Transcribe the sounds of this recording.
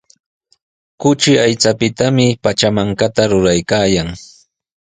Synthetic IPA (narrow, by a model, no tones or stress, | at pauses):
kʊt͡ʃɪajt͡sapɪt̪amɪpat͡ʃamaŋkat̪aɾʊɾajkaːjaŋ